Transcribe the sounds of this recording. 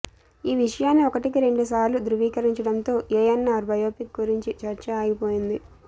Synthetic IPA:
iːʋiʂɐjaːnːiɔkɐʈikiɾe̞ɳɖusaːɾlud̪ɾuʋiːkɐɾiɲt͡ʃɐɽɐnt̪o̞ːʔeːjɐnːaːɾbɐjoːpik̚ɡuɾiɲt͡ʃit͡ʃɐɾt͡ʃɐaːjipo̞ːjind̪i

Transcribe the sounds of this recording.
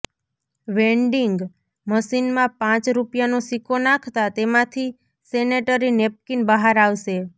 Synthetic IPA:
ʋẽɳɖiŋɡ | məʃinmãpãt͡ʃɾupjanosikʰonãkʰt̪at̪emãt̪ʰi | seneʈəɾinep̚kinbəɦaɾaʋʃe

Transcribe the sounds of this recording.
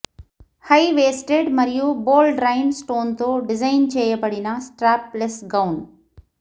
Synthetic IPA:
haiʋeːsʈeɖmɐɾijuboːlɖɾaːɪnsʈoːnt̪oɖɪzaɪnt͡ʃeːjəpɐɽinasʈɾaːpːlesɡaʊn

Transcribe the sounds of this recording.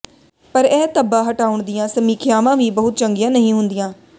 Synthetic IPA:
pəɾɛːt̪əbãːɦəʈaːʊɳd̪ɪjãːsəmiːkʰɪjaːʋãːʋiːbəɦʊt̪̚t͡ʃəŋɡɪjãːnəɦĩːɦʊnd̪ɪjãː

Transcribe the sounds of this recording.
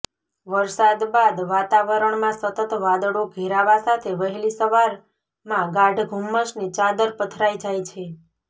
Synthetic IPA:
ʋəɾsad̪bad̪ʋat̪aʋəɾəɳmãsət̪ət̪ʋad̪ɽoɡʱeɾaʋasat̪ʰeʋəɦɛlisəʋaɾ | mãɡaɖɡʱumːəʃnit͡ʃad̪əɾpət̪ʰɾajd͡ʒajt͡ʃʰe

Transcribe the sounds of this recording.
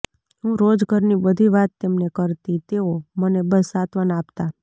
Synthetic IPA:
ɦũɾod͡ʒɡʱəɾnibəd̪ʱiʋat̪ːemnekəɾt̪it̪eomənebəsat̪ʋənapt̪a

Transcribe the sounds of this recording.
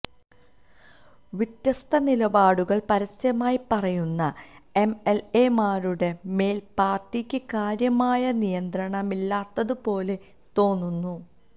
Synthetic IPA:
ʋit̪jɐst̪ʰɐnilɐbaːɽuɣɐɭpɐɾɐsjɐmaːjipɐrɐjunːɐ | e̞meleːmaːɾuɽe̞me̞ːlpaːrʈːikʲːɨkaːɾjɐmaːjɐnijɐnd̪ɾɐɳɐmilːaːt̪ːɐðɨpo̞ːle̞ | t̪o̞ːnːunːu

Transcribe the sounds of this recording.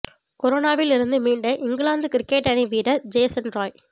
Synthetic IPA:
kɔɾoːnaːʋɪlɪɾɯnd̪ɯmiːɳɖɐʔɪŋɡɭaːnd̪ɯkɪɾɪkːeːʈɐniʋiːɽɐd͡ʒeːsɐnɾoːj

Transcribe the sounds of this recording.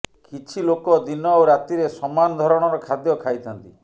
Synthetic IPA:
kʰit͡ʃʰilokɔd̪inɔwɾat̪iɾesɔmanɔd̪ʱɔɾɔɽ̃ɔɾɔkʰad̪jɔkʰajt̪ʰɔnt̪i

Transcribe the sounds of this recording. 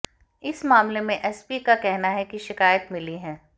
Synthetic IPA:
ɪsmaːmlemẽʔɛːspikakɛɦnaɦɛkiʃɪkaːjət̪mɪliɦɛ̃ː

